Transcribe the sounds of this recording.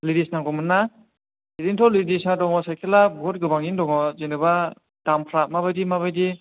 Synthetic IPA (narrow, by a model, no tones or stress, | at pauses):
lidisnaŋɡɔmɯnːa | idintʰɔlidisadɔŋɔsajkʰelabɔt̚ɡɯbaŋindɔŋɔzenɯba | d̥ampʰɾamaβajdimaβajdi